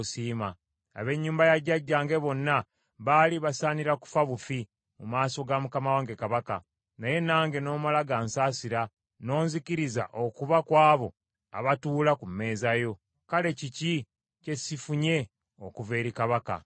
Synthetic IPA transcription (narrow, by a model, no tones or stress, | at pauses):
siːma̰ː | βe̞ɲːuːmbajaɟːaɟːaːŋɡe̞βo̞nːa | βaliβasaːniɾaku̥faβufi | mumaːso̞ɡamukamawaŋɡe̞kaβaka̰ | naje̞naːŋɡe̞no̞ːmalaɡansaːsiɾa | no̞ːnzikiɾiza̰ʔo̞kuβakwaːβo̞ | a̰βatuːlakumːe̞ːzajo̞ | kale̞cici | ce̞sifuɲe̞ | okuve̞ːɾikaβaka̰